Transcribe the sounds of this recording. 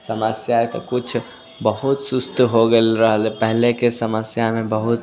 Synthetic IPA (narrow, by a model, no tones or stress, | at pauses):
səməsjaet̪ɔ̰kut͡ʃʰ | bəɦut̪sust̪ɦoɡelɾəɦəlepəɦlekesəməsjamebəɦut̪